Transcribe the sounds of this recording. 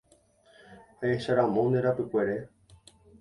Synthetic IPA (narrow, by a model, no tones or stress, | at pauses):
haeʃaɾãmõ̞nd̪eɾapɨkʷe̞ɾe